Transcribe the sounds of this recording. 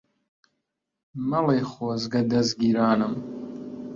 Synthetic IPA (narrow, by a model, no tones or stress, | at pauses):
mɐlejχɔzɡɐd̪ɐzɡiːɾaːnɨm